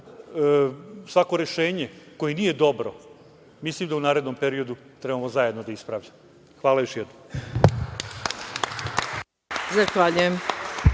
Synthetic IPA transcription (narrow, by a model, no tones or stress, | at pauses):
sʋako̞ɾe̞ʃe̞ːɲeko̞jenije̞d̪o̞bɾo | mislimd̪aunaːɾed̪no̞mpe̞ɾio̞d̪ut̪ɾebamozaje̞d̪nod̪aispɾaʋʎam | xʋaːlajoʃjɛd̪nom | zaxʋaʎujem